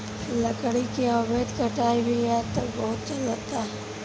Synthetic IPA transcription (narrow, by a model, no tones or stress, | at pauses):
lɐkɽikeɔːbeːd̪kɐʈaːibʱiɛt̪obɔɦʊt̪̚t͡ʃɐlːat̪aɦɛ